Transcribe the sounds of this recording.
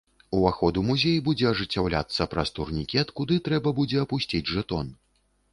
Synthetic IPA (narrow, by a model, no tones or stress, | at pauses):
uaxɔd̪umuzʲejibud͡zʲɛɐʐɨt͡sʲːawlʲa̰t̪sːɐpɾɐst̪urnʲikʲɛt̪kud̪ɨt̪ɾɛbɐbud͡zʲɛɐpusʲt͡sʲid͡zʲʐɛt̪ɔn